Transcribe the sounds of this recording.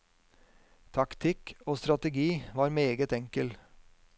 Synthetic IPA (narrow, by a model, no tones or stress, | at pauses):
t̪ʰɑkt̪ʰɪkoːst̪ɾɑt̪əɡiːʋɑːɾmeːɡət̪ɛŋkəl